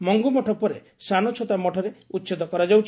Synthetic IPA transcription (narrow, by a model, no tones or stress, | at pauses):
mɔŋɡumɔʈʰɔpɔɾe | sanɔt͡ʃʰot̪amɔʈʰɔɾeutːt͡ʃed̪ɔkɔɾad͡ʒawt͡ʃʰ